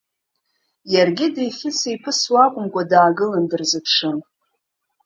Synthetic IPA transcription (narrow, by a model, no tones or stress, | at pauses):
jarɡʲɪdejfʲɪt͡sʰejpʰɨswakʷʼʊmkʷʼadaːɡɨlandɨrzɨpʰʂɨn